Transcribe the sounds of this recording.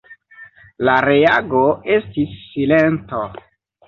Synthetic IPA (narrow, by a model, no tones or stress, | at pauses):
laɾeaɡoe̞stisːilento